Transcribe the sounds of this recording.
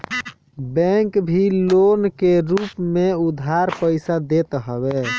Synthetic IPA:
bɛŋkbʱilonkeɾupmeud̪ʱaɾpəɪsad̪et̪ɦəβe

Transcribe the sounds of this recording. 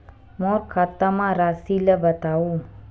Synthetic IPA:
mɔɾkʰat̪amãɾasiləbət̪aũ

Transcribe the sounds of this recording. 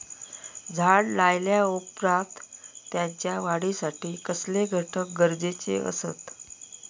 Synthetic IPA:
d͡zʱaɽlajljaupɾat̪ːjãɲt͡ɕjaʋaɽisaʈiːkəsleɡʱəʈʰək̚ɡəɾd͡zet͡sḛə̰sət̪

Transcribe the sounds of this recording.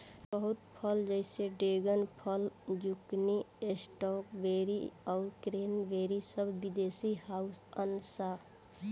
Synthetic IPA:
bəɦʊt̪pʰəld͡ʒəɪseɖeːɡənpʰəld͡ʒukniesʈɔkbeːɾḭɔːɾkɾeːnbeːɾisəbʱːid̪eːsihaːʊsənsa

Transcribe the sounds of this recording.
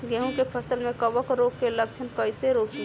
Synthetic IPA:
ɡeɦũkepʰəsəlmẽkəʋəkɾoːkːeləkt͡ʃʰənkəɪseɾoːk

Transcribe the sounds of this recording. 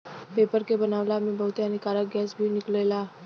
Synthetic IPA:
pepəɾkebənaʋlamiːbəɦut̪jañikaɾaɡɛsbʱiːniklela

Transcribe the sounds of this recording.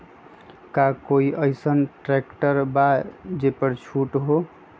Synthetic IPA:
kakoiʔʌjsənʈɾekʈəɾbad͡ʒepʌɾt͡ʃʰuʈɦo

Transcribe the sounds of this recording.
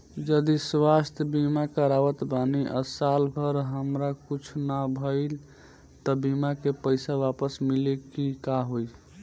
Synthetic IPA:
d͡ʒəd̪iswast̪ʰjəbimakəɾaʋət̪baniʔə̰salbʰʱəɾɦəmɾakut͡ʃʰnabʱəɪl | t̪əbimakepəjsaʋapəsmilekikaɦoj

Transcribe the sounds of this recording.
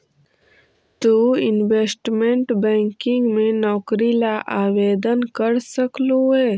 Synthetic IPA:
t̪uːɪnweːsʈmẽɳʈbɛ̃ːŋkɪ̃ŋɡmẽnɔːkɾilaʔaːweːd̪ənkəɾsəkloɦɛː

